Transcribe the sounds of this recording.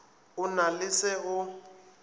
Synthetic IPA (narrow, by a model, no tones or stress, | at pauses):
ʊnalɪsɛʊ